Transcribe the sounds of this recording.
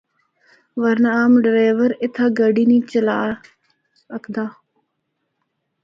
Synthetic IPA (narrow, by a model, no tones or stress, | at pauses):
ʋəɾnaaːmɖɾaːʋəɾɪt̪ʰaːɡəɖiːnĩːt͡ʃəlaː | əkʰd̪aː